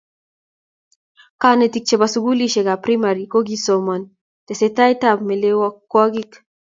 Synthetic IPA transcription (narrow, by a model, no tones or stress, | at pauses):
kanetik̚t͡ʃebasuɡuliʃeɡapɾimaɾikoɡisoman | t̪esetajtapmelewɔkːɔɡik